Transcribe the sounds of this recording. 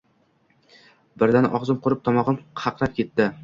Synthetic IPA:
bɪɾd̪anʔɒʁzɨmqʰʊɾɪp̚t̪ʰɒmɒʁɨmqʰɑqɾap̚kʲe̞t̪ːɪ

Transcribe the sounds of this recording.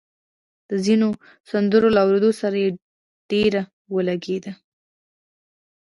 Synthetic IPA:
d̪̥əzino | sand̪əɾolaawɾed̪osaɾaje | ɖ̥eɾa | wəlaɡed̪a

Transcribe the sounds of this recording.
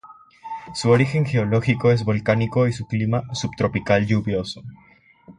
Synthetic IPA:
suo̞ɾixe̞ŋxe̞olo̞xiko̞e̞zβo̞lkaniko̞isuklimasupt̪ɾo̞pikalʎuβjo̞so̥

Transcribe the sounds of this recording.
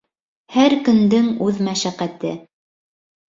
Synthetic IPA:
hæɾkɵ̆nd̪ɘŋʉðmæʃæqæt̪ɘ

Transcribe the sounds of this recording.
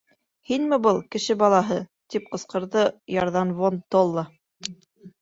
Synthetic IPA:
hinmɘ̆bɤlˠkɘ̆ʃɘbɑlˠɑɦɤt̪ip̚qɤ̆sqɤ̆ɾðɤjɑɾðɑnvont̪olˠːɑ

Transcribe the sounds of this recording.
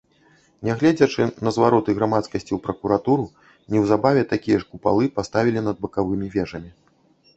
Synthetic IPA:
nʲɛɣlʲɛd͡zʲɐt͡ʂɨnɐzvaɾɔt̪ɨɣɾamat̪skɐsʲt͡sʲiwpɾɐkuɾat̪uɾu | nʲiwzabavʲɛt̪akʲijɐʂkupa̰lˠɨpast̪avʲilʲinɐd̪̚bɐkavɨmʲivʲɛʐɐmʲi

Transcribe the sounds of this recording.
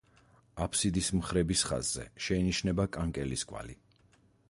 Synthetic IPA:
apʰsid̪ismχɾɛbisχa̰zːɛ̰ʃɛiniʃnɛbakʼaŋkʼɛliskʼwa̰li

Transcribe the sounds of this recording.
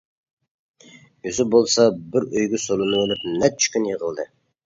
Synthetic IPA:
øzɪbolˠsɑbɪɾøjɡʲɛsolˠɨnɨwlˠɨp̚nɛt͡ʃʰkʲynjəʁəlˠd̪ɨ

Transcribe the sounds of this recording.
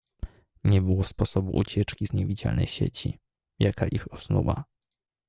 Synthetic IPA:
ɲɛbɘwɔfspɔsɔbṵʔut͡ɕɛt͡ʂkʲizɲɛvʲid͡ʑa̰lnɛ̰jɕḛt͡ɕḭ | jakaʔixɔsnṵwa̰

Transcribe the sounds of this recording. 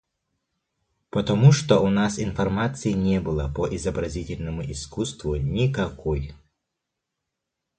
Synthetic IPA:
pət̪ɐmuʂt̪oʔʊnasɪnfɐrmat̪sɨɪnʲebɨlˠəpəʔɪzəbɾɐzʲitʲɪlʲnəmʊʔɪskust̪vʊnʲɪkɐkoj

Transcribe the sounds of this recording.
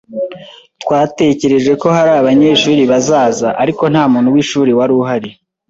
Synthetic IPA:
twaːte̞ce̞ɾe̞ʒe̞ko̞haɾaːβaɲe̞ːʃuːɾiβazaːzaʔaɾiko̞n̥haːmuːn̥huwiʃuːɾiwaɾuɦaɾe

